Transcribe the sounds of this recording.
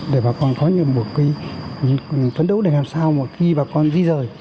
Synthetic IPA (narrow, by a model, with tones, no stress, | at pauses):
ɗe˧˩ɓaː˨˩kɔ˧nkɔ˨˦ɲɨ̰˧˨ɓu˨˩ək̚fi˧˨ | t̪wə˨˦nɗə˨˦wɗe˧˩ŋaː˨˩msaː˧wma˨˩xi˧ɓaː˨˩kɔ˧nzi˧zəː˨˩j